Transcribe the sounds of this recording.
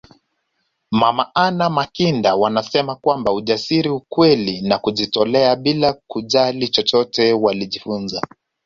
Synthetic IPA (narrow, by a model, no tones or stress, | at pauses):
mamaʔanamakindawanasɛmakwambauʄasiɾiukwɛlinakuʄitɔlɛaɓilakuʄalit͡ʃɔt͡ʃɔtɛwaliʄifunza